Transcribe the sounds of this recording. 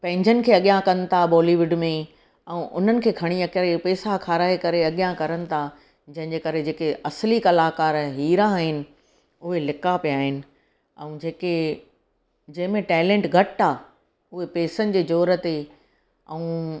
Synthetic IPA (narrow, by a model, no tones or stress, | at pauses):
pɐ̃ɦɪ̃ɲd͡ʑʱənɪ̆kʰeːɐɠijãkɐn̆t̪ʰabɔːliːʋɪɖmẽ | ɛ̃ʔʊ̰n̤ənɪ̆kʰeːkʰɐɽ̃iɐkɾipeːsakʰaːɾaːekɐɾeɐɠijãkɐɾənɪ̆t̪ʰa | d͡ʑɐ̃ɦɪ̃ɲd͡ʑekɐɾed͡ʑeːkeɐslikɐlaːkaːɾɦiːɾãːɦɪnɪ̆ | ʊɦelɪkapijaːɦɪnɪ̆ | ɛ̰̃ũːd͡ʑeːke | d͡ʑɐ̃ɦɪ̃mẽʈɛːlẽːɳʈɡʱɐʈaː | ʊɦepeːsənɪ̆d͡ʑeːd͡ʑoːɾət̪e | ɛ̃ũː